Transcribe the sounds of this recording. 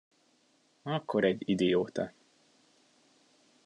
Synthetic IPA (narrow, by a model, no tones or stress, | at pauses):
ɒkːoɾɛɟid̪ejoːt̪ɒ